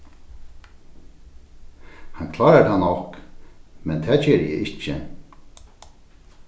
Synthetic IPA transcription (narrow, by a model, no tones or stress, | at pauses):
hankʰlaːɾat̪anːɔhk | mɛnt̪ʰɛːt͡ɕɛːɾjɛ̰ʔɪht͡ʃːə̰